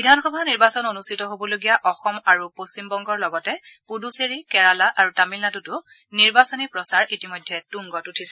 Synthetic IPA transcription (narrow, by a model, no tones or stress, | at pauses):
bidʱanxɔbʱaniɹbasɔnonustʰitɔɦobɔloɡijaʔɔxɔmaɹupost͡ɕimbɔŋɡɔɹlɔɡɔtɛpuduseɹikɛɹalaʔaɹutamilnatutʊ | niɹbasɔnipɹɔsaɹitimojdʱːɛtuŋɡɔtutʰisɛ